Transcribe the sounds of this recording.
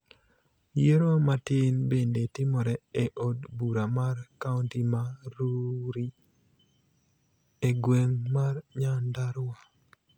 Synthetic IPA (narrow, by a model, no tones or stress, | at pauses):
jeɾomatɪnbendetɪmɔɾɛeʔodbuɾamarkauntimaɾuɾi | eɡweŋmarɲandaɾwa